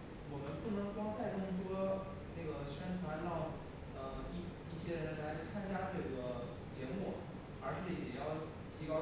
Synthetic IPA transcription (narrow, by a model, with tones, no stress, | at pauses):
wɔ˨˩mə˦npu˥˩nɤ˧˥ŋkwɑ˥ŋt̪a˥˧ɪt̪ʊ˥˩ŋʈ͡ʂʰwɔ˥ | ne˥˩ɡə˩ɕɥɛ˥nt̪ʰwa˧˥nlɑ˥˩ŋ | ə˧i˥˩ | i˥˩ɕjɛ˥ɻə˧˥nla˧˥ɪt͡sʰa˥nt͡ɕja˥nɤ˥˩ɡə˦ | t͡ɕjɛ˧˥mu˥˩ | ə˞˧˥ʂɻ̩˥˩jɛ˨˩jɑ˥˩ʊ | t̪ʰi˧˥kɑ˥ʊ